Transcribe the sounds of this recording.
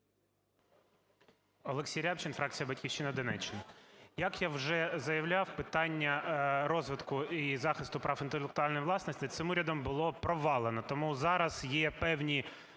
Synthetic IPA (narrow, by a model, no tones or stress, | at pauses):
ɔlˠeksʲijɾʲapt͡ʃɪnfɾɑk̚t͡sʲijɐbɐtʲkʲiwʃt͡ʃːɪnɐd̪ɔnɛt͡ʃːɪnɐjɐkjawʒɛzɐjɐwlʲɑwpɪt̪ɑnʲːɐɾɔzʋɪt̪kʊizɑxɪst̪ʊpɾɑfɪnt̪elˠekt̪ʊɑlʲnɔjʋlˠɑsnɔsʲtʲɪt̪sɪmuɾʲɐd̪ɔmbʊlˠɔpɾɔʋɑlˠenɔt̪ɔmuzɑɾɐzjɛpɛwnʲi